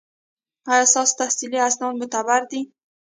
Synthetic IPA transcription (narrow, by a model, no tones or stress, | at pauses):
aasɑst̪ahsiliasnɑnmʊt̪abaɾd̪i